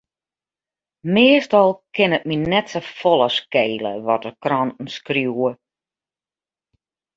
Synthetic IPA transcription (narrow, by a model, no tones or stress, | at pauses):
mɪəstɔlˠkɪnət̚minɛtsəfɔlˠəskeːlə̰ʋɔtərkrɔntn̩skrjuə